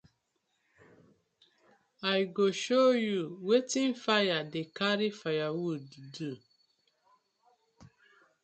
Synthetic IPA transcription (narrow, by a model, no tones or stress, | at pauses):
ajɡoʃojuwetĩnfajadekaɾifajawuddu